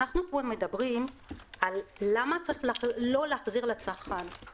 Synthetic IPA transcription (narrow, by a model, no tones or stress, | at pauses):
aχnukoemːe̞dabʁimalːamat͡saʁiχllo̞leaχziʁlet͡saχan